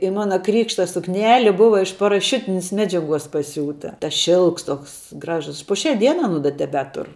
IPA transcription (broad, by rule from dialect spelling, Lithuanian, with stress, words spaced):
ɪ ˈmɑːnɐ ˈkrʲiːkʃtɐ sʊkˈnʲæːlʲɪ ˈbʊʋɐ ɪʃ pɐrɐˈʃʲʊtʲɪnʲɪs ˈmʲæːd͡ʒʲɛˌɡuɔs pɐˈsʲuːtɐ tɐs ˈʃʲɪlˠks ˈtoːks ˈɡrɑːʒʊs pʊ ˈʃʲɛ ˈdʲiɛnɐ ɐˈnʊ dɐ tʲɛˈbʲæːtʊr